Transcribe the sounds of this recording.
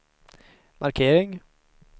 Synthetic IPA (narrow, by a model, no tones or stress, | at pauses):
maɾkʰeːɾɪŋ